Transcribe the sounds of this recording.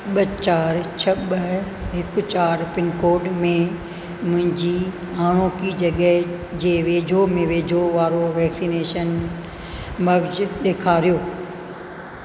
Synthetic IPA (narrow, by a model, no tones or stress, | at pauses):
ɓət͡ɕaːɾt͡ɕʰɐɓə | ɦɪkʊt͡ɕaːɾpɪnkoːɾɖmẽ | mʊ̃ɦɪ̃ɲd͡ʑi | ɦaːɽ̃oːkid͡ʑɐɠəɦ | d͡ʑeːʋeːd͡ʑʱomẽʋeːd͡ʑʱoʋaːɾoʋɛːksineːʃən | mɐɡd͡ʑɗeːkʰaːɾijoː